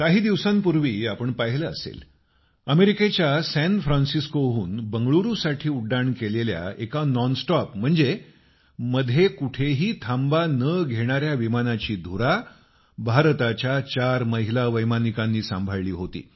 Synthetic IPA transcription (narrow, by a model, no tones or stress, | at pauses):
kaɦiːd̪iʋsãmpuɾʋiːapəɳpəɦiləəsḛl | əmeɾiket͡ɕjasæ̃nfɾãnsiskoɦuːnbəŋɡɭuɾusaʈʰiːuɖːaɳkelelja̰ekanɔnsʈɔpm̤əɳd͡ze | məd̪ʱekuʈʰeɦiːt̪ʰãmbanəɡʱeɽ̃aɾjaʋimanat͡ɕiːd̪ʱuɾa | bʱaɾt̪at͡ɕjat͡ɕaɾməɦilaʋəjmanikãnːiːsã̰mbʱəɭliːɦot̪ḭː